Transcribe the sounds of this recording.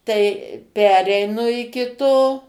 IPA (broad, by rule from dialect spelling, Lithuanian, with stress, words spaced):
ˈtɐɪ ˈpʲæːrʲɛɪnʊ ɪkʲɪ ˈtoː